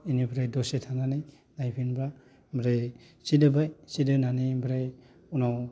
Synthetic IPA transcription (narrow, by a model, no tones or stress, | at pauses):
inibɾajdɔsetʰananaj | najpʰinbɾa | bɾej | sidɯbajsidɯnanijbɾaj | unaw